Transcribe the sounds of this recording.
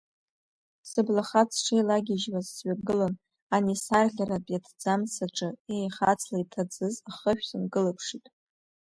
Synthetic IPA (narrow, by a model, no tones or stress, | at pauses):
sɨblaχat͡sʰʂejlaɡʲɪʒwazsɥaɡɨlon | anisarɮʲarapʼjatʰd͡zamsaʈ͡ʂʼɨejχat͡sʰlaitʰad͡zɨzaχəʃᶣsɨnɡɨlɨpʰʂitʼ